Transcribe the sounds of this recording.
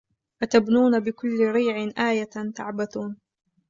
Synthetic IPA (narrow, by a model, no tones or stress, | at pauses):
ʔat̪abnuːnabɪkʊlːɪɾiːʕɪʔaːjat̪a̰ʕbaθuːn